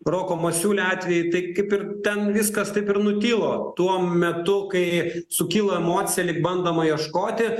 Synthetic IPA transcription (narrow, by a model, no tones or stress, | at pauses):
roːkoːmɐsʲuːlʲɛɑːt̪ʲʋʲɛjɪt̪ɐɪkɐɪpɪrt̪ʲɛnʋʲɪskɐst̪ɐɪpɪɾnʊt̪ʲiːlˠoːt̪uɔmʲɛt̪ʊkɐɪsʊkʲiːlˠoːɛmoːt̪sʲɪjɛlʲɪkbɐnd̪ɐmɐjiɛʃkoːt̪ʲɪ